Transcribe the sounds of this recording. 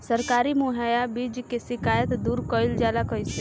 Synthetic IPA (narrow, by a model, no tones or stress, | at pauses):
səɾkaːɾimuɦajabid͡ʒkesɪkaːjət̪d̪uːɾkɔːɪld͡ʒaːlakɔjse